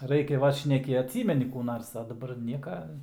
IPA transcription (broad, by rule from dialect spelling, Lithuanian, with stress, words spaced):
ˈrɐɪkʲɛ ˈʋɐt ʃʲnʲɛˈkʲɪ ɐtʲˈsʲiːmʲɛnʲɪ kuː ˈnɐrs ɐ dɐˈbɐr ˈnʲiɛkɐ